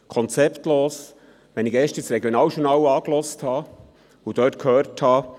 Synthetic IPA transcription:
kʰɔnt͡sɛptloːs | ʋɛnɪɡɛːʃtɪsɾɛɡjonɑːwʃuɾnɑːwɑːklɔsthɑː | ud̥œːtkʰhøːɾthɑː

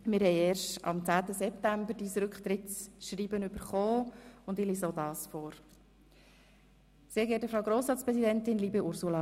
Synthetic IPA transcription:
mɪɾɦɛɪeːɾʃtɑ̰mt͡sæːt̪əzɛp̚tæmbəɾdiːsɾʏkχt̪ɾɪtsʃɾiːbənʏbəɾχoːʊndɪlisodɑːsfɔːɾ | seːɡeːt̚dəfɾaʊɡɾoːsɾɑːtspɾɛzidɛntɪnliːbeʔʊɾsulɑ

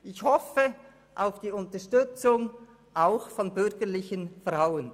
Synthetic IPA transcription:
ʔɪçhɔfə | ʔaʊfd̥iːʊntɐʃtʏt͡sʊŋ | ʔaʊxfɔnbʏɐɡəlɪçənfʁaʊən

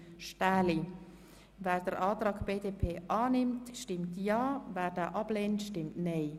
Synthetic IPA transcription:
ʃtaːli | vɛːɾdəɾʔaːtɾaːɡb̥eːdeːpʰeːʔɑːnɪmtʃtɪmtjɑːvæːɾdaːʔɑb̥leːntʃtɪmtnɛɪ

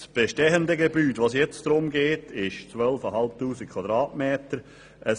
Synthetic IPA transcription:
sb̥eʃtɛəndəɡebyːtʋoːsjɛt͡sd̥ɾʊmɡeːtʰɪʃt͡svœlfəɐɦɑlp̚tuːsik̚kʰvɑdɾɑːtmeːtəɾ | ʔə

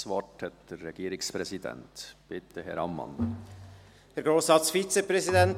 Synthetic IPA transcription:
svɔʈhɛt̪d̪̥ɛɾːɛɡ̥iːɾɪkspɾɛsid̪ɛ̰ntb̥ɪt̪ʰəɦɛ̰ɾɑmːɑ̰n | d̥ɛɾɡɾoːsɑsfiːt͡səpɾɛzidɛn

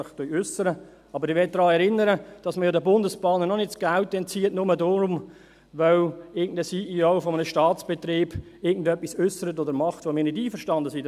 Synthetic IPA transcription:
ɪχtœjʏsəɾə | ɑbəɾɪʋɛt̚d̥ɾɑːɛɾɪnːəɾəd̥ɑsməjoːdəbʊndəspɑːnənɔnɪtsɡ̥alt̚dɛnt͡siːətnʊmədoɾʊm | ʋœwɪɡn̩dəsiːʔioʊfɔmənəʃtɑːtt͡sb̥ɛt̪ɾiːb̥ | ɪɐɡn̩dœpːisʏsəɾətodəɾmɑχtʋomɪːɾnɪdiːfəʃtɑndəsi

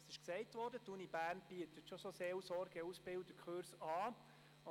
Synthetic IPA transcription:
sɪʃksɛɪtʋɔːɾdətunibæːrnb̥iətət̪ʃososeːwsɔɾɡ̥əusbɪwdəkʰχøɾsɑː

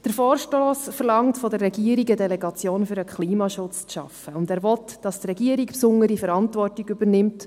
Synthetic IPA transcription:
d̥əɾfɔːɾʃtoːsfəɾlɑŋtfɔdərːɛɡiəɾiɡədɛlɛɡɑt͡sjoːnfyɾəkχliːmɑʃʊt͡st͡sʃɑ̰fəʊndæːɾʋɔtd̥ɑstrɛɡiəɾikpsʊŋəɾifəɾɑntvɔrtiɡybəɾnɪmt

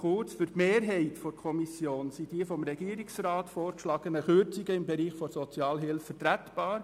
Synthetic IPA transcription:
χʊɾt͡sfyɾtmeːɾɦɛɪtfɔɾkʰɔmisjoːnsid̥iəfɔmɾɛɡ̥iːəɾiksrɑːtfɔːɾkʃlɑɡ̥ənəχʏɾt͡siɡəɪmbɛɾiːχfɔɾsɔt͡sjɑːlɦɪlfətɾætb̥ɑːɾ

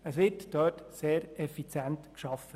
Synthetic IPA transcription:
əsʋɪɾtd̥œːtseːɾɛfit͡sjæntkʃɑfə

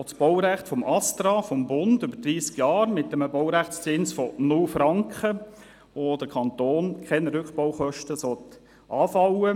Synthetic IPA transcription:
osb̥ɔwɾæχtfɔmʔɑst̪ɾɑːfɔmbʊnd̥ʏb̥əɾd̥ɾiːskjɑːɾmɪt̚dɛməbɔwɾæχt͡st͡sɪnsfɔnʊlfɾɑŋkχə | od̥əkʰɑnt̪oːnkʰχɛnɾʏkχpɔwχœʃtəsɔt̪ | ʔɑːfɑwə

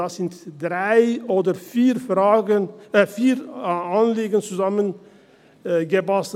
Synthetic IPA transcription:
ɑːsɪntd̥ʁaɪoːdəɾfiːʁfʁɑːɡənəfiːʁɑnliːɡənt͡suzɑmən | ɡəbɑs

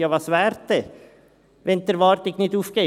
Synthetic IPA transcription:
jɑʋɑsʋæːɾt̪̚e | ʋɛnt̪əɾʋɑːɾt̪ɪknit̪ufke

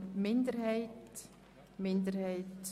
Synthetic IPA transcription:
mɪndəɾhɛɪt | mɪndəɾhɛɪt

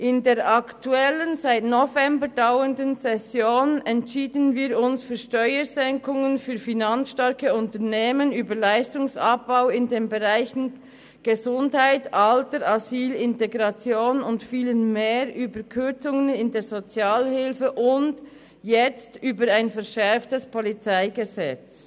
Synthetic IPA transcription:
ʔɪndeːʁʔɑktuɛlənzaɪtnɔvɛmbəɾdaʊəndənsɛsjoːnɛntʃiːdənviːɾʊnsfyːɐʃtœʏəzɛŋkʊŋənfyːɐfinant͡ssʃtɑɾkəʊntəʁneːmənyːbəlaɪstʊŋsɑ̰p̚b̥aʊɪndeːnbɛʁaɪçn̩ | ɡ̥əzʊndhaɪtʔɑltəɾʔaziːlɪnteɡʁɑt͡sjoːnʊntfiːlənmeːɾʔyːbəkʰʏʁt͡sʊŋənɪndeːz̥ot͡sjaːlhɪlfəʔʊnd | jɛt͡styːbəɾaɪnfɛɐʁʃɛɾftəspʰɔlit͡saɪɡəzɛt͡s

